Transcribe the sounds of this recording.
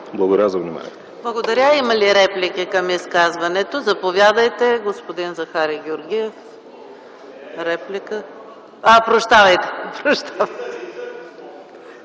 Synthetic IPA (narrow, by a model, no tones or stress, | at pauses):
blˠɐɡod̪ɐɾʲjazɐvnima̰nʲḭɛt̪blˠɐɡod̪ɐɾʲaimɐliɾɛplʲik̟ikɐmiskazvɐnɛt̪ozɐpovʲjad̪əjt̪ɛɡospod̪inzɐxaɾiɡʲoɾɡʲiɛf | ɾɛplikə | apɾoʃt̪avɐjt̪ɛ̥pɾoʃt̪avɐjt̪ɛ